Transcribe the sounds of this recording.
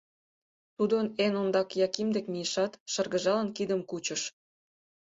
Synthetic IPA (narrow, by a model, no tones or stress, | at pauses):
t̪ud̪onenond̪ɑkjɑkimd̪ekmijəʃɑt̪ʃə̆rɣə̆ʒɑlənkid̪ə̆mkut͡ɕə̆ʃ